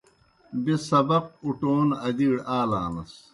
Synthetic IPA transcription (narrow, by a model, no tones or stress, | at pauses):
besɐbɐq̚uʈoːnɐd̪iːɽaːlaːnɐs